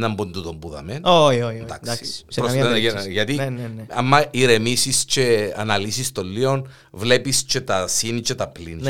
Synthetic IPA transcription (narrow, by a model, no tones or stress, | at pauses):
nɐmbond̪ut̪ombuðɐ̰menood̪akd̪sspɾost̪enɐjenʝɐt̪iɐmːɐiɾemisist͡ʃeɐnɐlisist̪olːio̞n | vle̞pist͡ʃe̞t̪ɐsinit͡ʃet̪ɐplin